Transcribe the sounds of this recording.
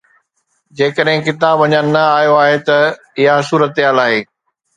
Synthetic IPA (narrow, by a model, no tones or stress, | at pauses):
d͡ʑeːkəɗɦɪ̃kɪt̪aːbʋɐɲənnɐaːjoaːɦet̪ɐ | ɪɦasuːɾət̪ɪɦaːlaːɦeː